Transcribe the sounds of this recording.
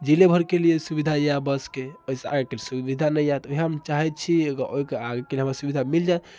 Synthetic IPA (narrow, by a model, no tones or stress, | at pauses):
d͡ʒilebʱəɾkelijesubid̪ʱajabəskeoisea̰ɡekeliesubid̪ʱanəjjat̪oɦiɦəmt͡ʃaɦɛt̪̚t͡ʃʰiɡəɾoikeaɡekelieɦəmɾasubid̪ʱamild͡ʒae